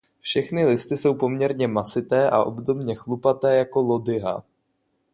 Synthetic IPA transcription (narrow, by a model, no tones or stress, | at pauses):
fʃɛxnɪlɪst̪ɪso̞wpo̞mɲɛɾɲɛmasɪt̪ɛːʔa̰ʔo̞̰bdo̞bɲɛxlupat̪ɛːjako̞lo̞dɪɦa̰